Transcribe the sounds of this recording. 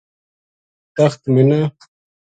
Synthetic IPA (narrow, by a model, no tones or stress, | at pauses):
t̪ɐxt̪mina